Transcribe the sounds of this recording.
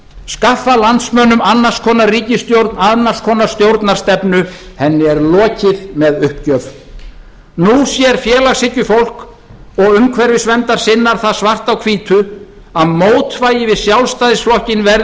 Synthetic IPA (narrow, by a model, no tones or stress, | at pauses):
skafːalant̪smœːnʏmanːḁskʰɔːnariːcɪst̪jowɾt̪nanːḁskʰɔːnast̪jowɾt̪naɾ̥st̪ɛpnʏhɛnːɪɛɾlɔːcɪðmɛðʏhpcœv | nusjɛɾ̥fjɛːlaɣsɪcːʏfowl̥k | ɔɣʏmkʰvɛɾvɪsvɛnt̪aɾ̥sɪnːaɾ̥θaðsvar̥t̪awkʰviːt̪ʰʏ | aðmoːwt̪vaːjɪvɪðsjawlst̪aːjðɪsflɔhcɪnvɛɾ